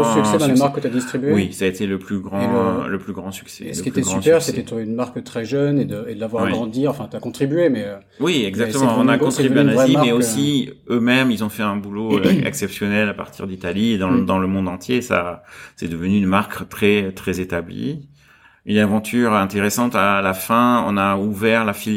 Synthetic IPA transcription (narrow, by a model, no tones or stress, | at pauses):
syksɛd̪ɑ̃lemaʁkːət̪yad̪ist̪χibyewisaet̪eləplyɡʁɑ̃ləplyɡʁɑ̃sy̥ksɛ̰ləkiepltyɛɡsɑỹspɛʁsset̪ɛt̪ynmaʁkət̪χɛʒœned̪əed̪əlavwaʁwiɡʁɑ̃d̪iʁɑ̃fɛ̃t̪yakɔ̃t̪χibɥemɛø | wiɛɡzakt̪əm̃ɑ̃ɔ̃nakɔ̃t̪χibyanaʁzimɛosi | ømɛmilzɔ̃fɛɛ̃buloɛ̰ksɛpsjɔnɛlapa̰ʁt̪ʰiʁd̪it̪alid̪ɑ̃d̪ɑ̃ləmɔ̃d̪ɑ̃t̪ʰjesa̰sɛd̪əvənyːnmaʁkt̪χɛt̪χɛzet̪ablḭ | ynavɑ̃t̪ʰyʁɛ̃t̪eʁesɑ̃t̪alafɛ̃ɔ̰̃nauvɛʁlafil